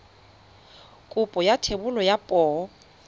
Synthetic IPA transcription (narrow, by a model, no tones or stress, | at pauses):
kʼʊpʼɔjatʰebʊlɔjapʼɔː